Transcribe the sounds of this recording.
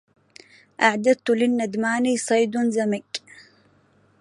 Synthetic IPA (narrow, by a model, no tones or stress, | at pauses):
ʔaʕd̪ad̪̚t̪ʊlɪnːad̪maːniːsˤɑjd̪nzamɪk